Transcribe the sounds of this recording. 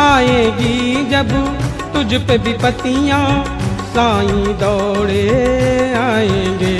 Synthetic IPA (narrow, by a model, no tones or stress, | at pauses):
aːẽːɡid͡ʒɐb | t̪ʊd͡ʒpebipət̪ijãː | sãːĩːd̪ɔːɽe | aːẽːɡeː